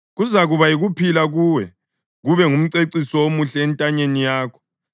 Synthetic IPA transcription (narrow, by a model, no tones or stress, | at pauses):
ɣuzaɣuβajiɣupʰilaɣuːwɛ | ɣuβɛŋum̩ǀeǀisɔwomuɬɛːntʼaɲenijaːkʰɔ̥